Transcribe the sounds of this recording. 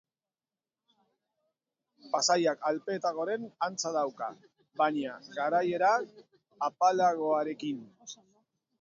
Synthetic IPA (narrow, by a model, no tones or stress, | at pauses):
pasajakalpe̞t̪aɣo̞ɾe̞nant͡saðawka | βaɲaɣaɾaje̞ɾa | apalaɣ̞o̞aɾe̞kin